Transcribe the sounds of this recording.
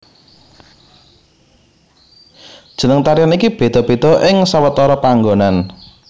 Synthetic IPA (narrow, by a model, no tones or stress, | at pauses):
d̥ʒ̥ə̤nəŋt̪aɾiɔnikib̥e̤d̪̥ɔ̤b̥e̤d̪̥ɔ̤ʔɪŋsawət̪ɔɾɔpaŋɡonan